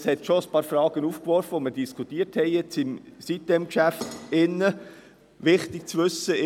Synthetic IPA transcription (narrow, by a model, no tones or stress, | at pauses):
shɛt̪ʃoəspɑːɾfɾɑːɡ̥ənuːfkʋɔɾfəʋoməɾd̥iskʰχutiːəɾthɛɪjɛt͡sɪmsit̚dɛmkʃæftɪnːə | ʋɪχt̪ɪk̚t͡sʋʏsːə